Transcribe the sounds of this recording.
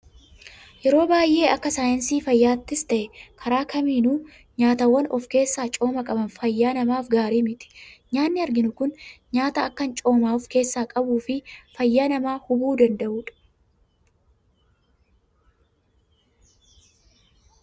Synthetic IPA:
jɛɾo̞ːbaːjʔe̞ːɐkːɐsaːjɐnsiːfɐjːaːt̪ːɪst̪ɐʔɛkʰɐɾaːkʰɐmiːnuː | ɲaːt̪ɐwːɐnɔfke̞ːsːaːt͡ʃʼo̞ːmɐkʼɐbɐnfɐjːaːnɐmaːfɡaːɾiːmɪt̪ɪ̥ɲaːnːɪɐɾɡɪnʊkʊnɲaːt̪ɐːkːɐnt͡ʃʼo̞ːmaːɔfke̞ːsːaːkʼɐbuːfɪfɐjːaːnɐmaːhʊbuːd̪ɐnd̪ɐʔuːᶑɐ̥

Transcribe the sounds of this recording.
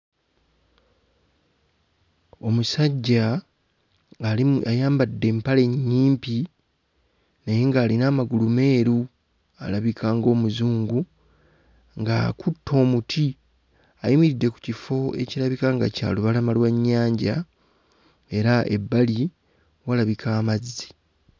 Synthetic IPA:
o̞musaɟːa | ajaːmbadːe̞ːmpale̞ɲːiːmpi | nejeŋɡaːlinaːmaɡulume̞ːɾu | a̰laβikʰaːŋɡo̞ːmuzuːŋɡu | ŋɡakutːo̞ːmutʰi | aimiɾidːe̞ku̥cifo̞e̞̰ciɾaβikaŋɡa̰ca̰ːluβalamalwaɲːaːɲɟa | e̞ɾaʔe̞̰bːali | walaβikʰaːmazi̥

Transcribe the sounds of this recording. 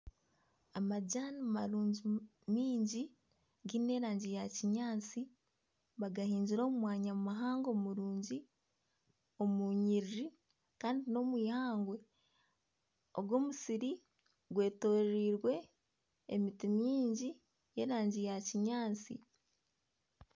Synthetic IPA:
amaɟanimaɾuːɲɟi | miːɲɟi | ɡine̞ːɾaːɲɟijaciɲaːt͡si | βaɡahiːɲɟiɾo̞ːmumwaːɲamaɦaːŋɡo̞muɾuːɲɟi | o̞muɲiɾɾi | kaːndino̞mwiːhaːŋɡwe̞ | oɡwo̞ːmusiɾi | ɡwe̞ːtoɾiːɾwe̞ː | mitimiːɲɟi | je̞ːɾaːɲɟijaciɲaːt͡sḭ

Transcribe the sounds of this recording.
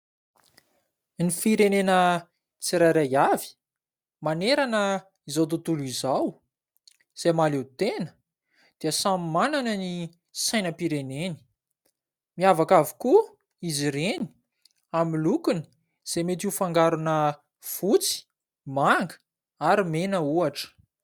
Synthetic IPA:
nifiɾenenə | t͡siɾaɾajavi̥ | maneɾanə | izawt̪̬ut̪ulizaw | z̥emalewt̪enə̥ | d̪̥iəsamimananəni | sajnəpiɾeneni̥ | miavakaviku | iziɾeni̥ | amilukuni̥ | z̥emet̪iufaŋɡaɾunə | fut͡si̥ | maŋɡə̥ | aɾimenəuaʈ͡ʂə̥

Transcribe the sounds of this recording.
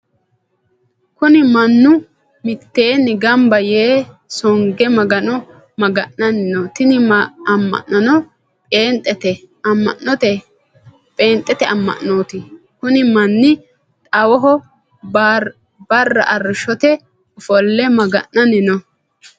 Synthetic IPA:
kʊnɪmɐnːʊ | mɪt̪ːeːnɪɡɐmbɐjeː | sɔŋɡɛmɐɡɐnɔ | mɐɡɐʔːɐnɪnɔt̪ɪnɪɐmːɐ̰ʔɐnɔ | pʼe̞ːnt̪ʼːɛt̪ɛ | ɐmːɐ̰ʔːɔt̪ɛ | pʼeːnt̪ʼːɛt̪ɛʔɐmːɐ̰ʔnoːt̪ɪ | kʊnɪmɐnːɪ | t̪ʼɐwɔɦɔ | bɐrːɐʔɐrːɪʃɔt̪ɛ | ʊfɔlːɛmɐɡɐʔːɐnɪnɔ

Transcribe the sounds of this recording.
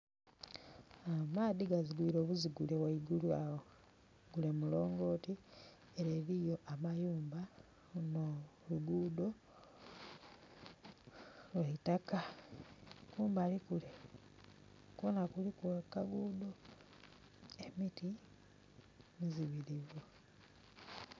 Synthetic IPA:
amaːðiɡaziɡwiːɾo̞ːβuziɡule̞waiɡuluao | ɡule̞mulo̞ːŋɡo̞ːti | eɾeːɾijo̞ʔamajuːmba | noluɡuːd̪o̞ | lwaitaka | kuːmbaːlikule | kuβonakulikuakaɡuːdo̞ | e̞miti | miziβiɾivu

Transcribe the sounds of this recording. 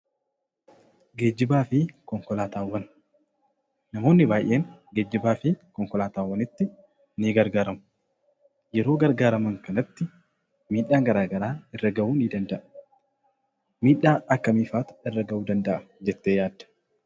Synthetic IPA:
ɡe̞ːd͡ʒːɪbaːfɪkɔŋkɔlaːt̪aːwːɐn | nɐmo̞ːnːɪbaːjʔe̞ːŋɡe̞ːd͡ʒːɪbaːfɪkɔŋkɔlaːt̪aːwːɐnɪt̪ːɪ | niːɡɐɾɡaːɾɐmʊ | jɛɾo̞ːɡɐɾɡaːɾɐmɐŋkɐnɐt̪ːɪ | miːᶑaːŋɡɐɾaːɡɐɾaːɛrːɐɡɐʔuːniːd̪ɐnd̪ɐʔɐ | miːᶑːaːʔɐkːɐmiːfaːt̪ʊ̥ɛrːɐɡɐʔuːd̪ɐnd̪ɐʔɐd͡ʒɛt̪ːeːjaːd̪ːɐ̥

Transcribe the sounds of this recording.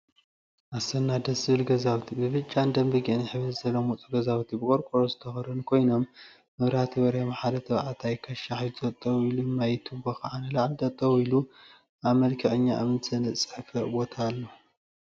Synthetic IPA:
ʔasɐnːad̪ɐsɨβɨlɡɐzawt̪ʰibɨβɨt͡ʃʼːand̪ɐmbɨɡiʔniħɨβɨzzɐlːomut͡sʼuɡɐzawt̪ʰibɨkʼoɾkʼoɾozɨt̪ʰɐxɐɾɨnkʰo̞jno̞mː | ɨβɾat̪ʰiβɐɾɐjamħad̪ɐt̪ʰɐβʕat̪ʰajkʰɐʃaħjt̪ʰɐt̪ʼːɐwilumajt̪ʰubɐxʕanɨlaʕld̪ɐt̪ʼːɐwilu | ʔaβmɐlkʰɐʔʼɨɲːaʔa̰mɨnsʰɐnɨsʼɨ̥ħfɐʔbo̞t̪ʰaːlːo

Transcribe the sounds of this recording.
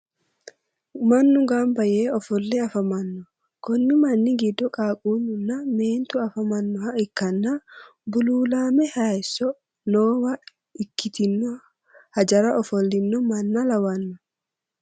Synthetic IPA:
mɐnːʊɡaːmbɐjeːɔfɔlːɛɐfɐmɐnːɔ | kɔnːɪmɐnːɪɡɪd̪ːɔkʼaːkʼuːnʊnːɐmeːnt̪ʊɐfɐmɐnːɔhɐɪkːɐnːa | bʊluːlaːmɛhɐɛsːɔ | noːwɐ | ɪkːɪt̪ɪnːɔ | hɐd͡ʒɐɾɐʔɔfɔlːɪnːɔmɐnːɐlɐwɐnːɔ

